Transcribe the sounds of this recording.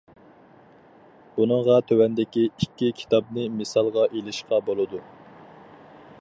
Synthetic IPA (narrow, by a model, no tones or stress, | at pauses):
b̥unɨŋʁɑt̪ʰøwɛnd̪ɪkʲiikʲːikʲʰi̥t̪ɑbnɨmɨsɑlˠʁɑʔelɪʃqɑbolˠɨd̪u